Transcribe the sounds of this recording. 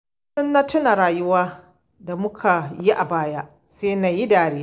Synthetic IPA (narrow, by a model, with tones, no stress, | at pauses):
ʊ˦nːa˦tʰʊ˦na˨ɾaː˨jʊ˦waː˦ | da˨mʊ˦kʰa˨ji˦ʔa˨baː˦jaː˦ | seː˦na˨ji˦daː˨ɽeː˦